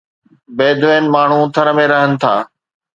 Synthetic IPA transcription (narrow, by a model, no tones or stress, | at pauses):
beːd̪ʋeːnɪ̆maːɳ̤ũt̪ʰɐɾəmẽɾɐɦənɪ̆t̪ʰaː